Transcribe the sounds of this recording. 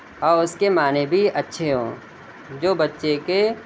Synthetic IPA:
ɔːʊskemaːnebʱiɐtːʃʰeɦõː | d͡ʒoːbɐtːʃeke

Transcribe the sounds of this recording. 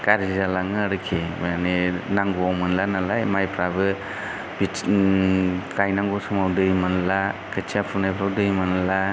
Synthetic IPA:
kaɾizalaŋɯɾɯkʰemajanenaŋɡuawmɯnlanalajmajpʰɾabɯ | b̥i | kajnaŋɡɔsɯmawdɯjmɯnlakʰɯt͡ʃʰiapʰunajpʰɾawdɯjmanla

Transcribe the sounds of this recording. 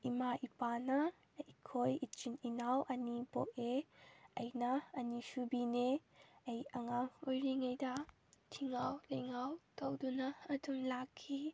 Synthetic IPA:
ʔimaʔipanɐ | ikʰojit͡ʃininawʔɐnibɔʔeʔɐjnaɐnisubineejɐŋaŋɔjɾiŋajda | tʰiŋawlejŋawtowdunaɐtumlakʰːi

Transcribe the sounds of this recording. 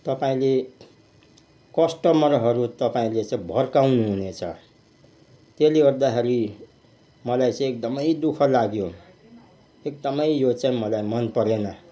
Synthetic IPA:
t̪ʌpaĩle | kʌsʈʌmʌrɦʌɾut̪ʌpaĩlet͡sãĩbʱʌrkawnuɦunet͡sʰʌ̰ | t̪eliʌrd̪akʰeɾi | mʌlajt͡sʌ̃ek̚d̪ʌmʌjd̪ukʰʌlaɡjo | ek̚d̪ʌmʌjjot͡saĩmʌlajmʌnpʌɾenʌ

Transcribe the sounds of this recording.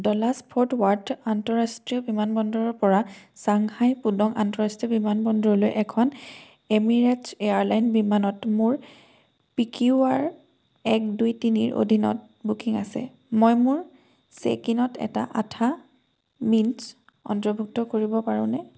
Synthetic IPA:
dɔlaspʰoɹtwaɹtantɔɹastɹiɔbimanbɔndɔɹɔɹpɔɹasaŋhajpudɔŋʔa̰ntɔɹastɹiɔbimanbɔndɹɔlojʔɛkʰɔn | emiɹetseaɹlajnbimanɔtmuɹ | pikiuaɹ | ɛk̚dujtinḭɹʔo̰dʱinɔ̰t̚ | bukiŋa̰sɛ̰ | mojmuɹ | sḛkinɔtɛ̰ta̰ʔatʰa | mins | ɔ̰ntɹɔbʱuk̚tɔkoɹibɔpaɹṵ̃nɛ

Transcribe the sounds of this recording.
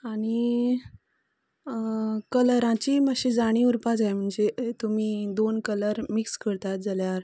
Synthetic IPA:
aɽ̃i | kələɾãt͡ɕiːməɕid͡zaɽ̃ĩːuɾpad͡zajm̤əɳd͡zet̪umiːd̪onkələɾmikskəɾt̪at̪̚d͡zaljaɾ

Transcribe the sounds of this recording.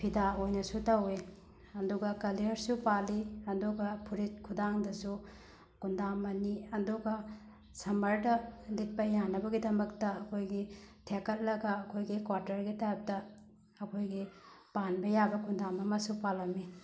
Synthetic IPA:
pʰidaojnɐsutɐwe | ɐduɡɐkɐliɾsupaliɐduɡɐpʰuɾit̚kʰudaŋdɐsu | kundamɐniɐduɡɐ | sɐmɐɾdɐlit̚pɐjanɐbɐɡidɐmɐktɐɐkʰojɡitʰekɐt̚lɐɡɐːkʰojɡikwaɾtɐɾɡitaap̚tɐ | ɐkʰojɡipanbɐjabɐkundamɐmɐsupalɐmi

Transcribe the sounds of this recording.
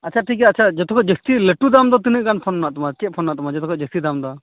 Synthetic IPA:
ɐtːt͡ʃʰaʈʰik̬ɛɐtːt͡ʃʰad͡ʒɔt̪ɔkʰɔd͡ʒəst̪iləʈud̪amd̪ɔt̪̬inəʔkanpʰɔnːaʔt̪ɔmat͡ʃɛt̪̚pʰɔnːaʔt̪ɔmad͡ʒɔt̪ɔkʰɔd͡ʒəst̪id̪amd̪ɔ

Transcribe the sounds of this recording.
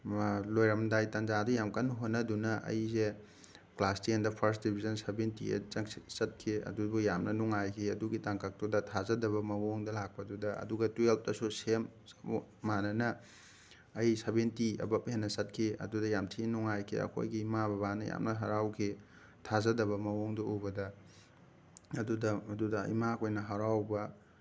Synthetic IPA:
lojɾɐmdajtɐnzadujamkɐnɦonːɐdunɐʔɐ̰jze | klastiendɐpʰɐɾsdibʱizɐnsebentiɐ̰t͡ʃɐŋsisɐt̚kʰiɐ̰dubujamnɐnuŋajkʰiɐduɡitaŋkak̚tudɐtʰazɐdɐbɐmɐwoŋdɐlak̚pɐdudɐɐ̰duɡɐtuelp̚dɐsusemː | anɐnɐː | jsebentiɐ̰bɐpɦenːɐsɐt̚kʰeɐ̰dudɐjamtʰinuŋajkʰḛɐ̰kʰo̰jɡiːmabɐbanɐ̰ja̰mnɐɦɐɾawkʰe | tʰazɐdɐβɐmɐwoŋdɐubɐdɐ | ɐdudɐɐdudɐ̰imakʰojnɐɦɐɾawbɐ

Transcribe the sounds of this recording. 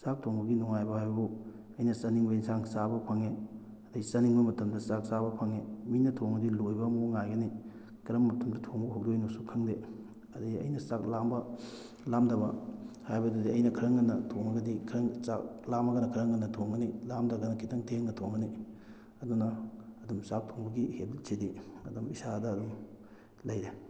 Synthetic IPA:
sak̚tʰoŋbɐɡinuŋajbɐhajbɐbu | ɐjnɐsɐniŋbɐjiŋsaŋsabɐpʰɐŋe | ɐdɐɡisɐniŋbomɐtɐmdɐsak̚saβɐpʰɐŋeminɐtʰoŋɐdilojbɐmoŋajɡɐni | kɐɾɐmːɐtʰɐmdɐtʰoŋbɐɦok̚dojnosukʰɐŋde | ɐdɐɡiɐ̰jnɐsak̚lambɐ | lamdɐβɐhajbɐdɐdiɐjnɐkʰɐɾɐŋɡɐnːɐtʰoŋɐɡɐdikʰɾɐŋsak̚lamɐɡɐnɐkʰɐɾɐŋɡɐnːɐtʰoŋɡɐnilamdɐɡɐnɐkʰitɐŋtʰeŋnɐtʰoŋɡɐni | ɐdunɐːdumsak̚tʰoŋbɐɡihept̚sediɐdumisadɐːdum | lɐjɾe

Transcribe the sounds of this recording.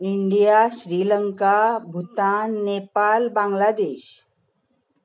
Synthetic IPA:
iɳɖijaɕɾiːləŋkabʱut̪anːepalbãŋɡlad̪eːɕ

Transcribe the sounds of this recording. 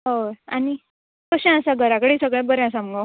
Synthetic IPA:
ɦoani | kəɕɛ̃asaɡʱəɾakəɽesəɡɭɛ̃bəɾɛ̃as̬amɡa

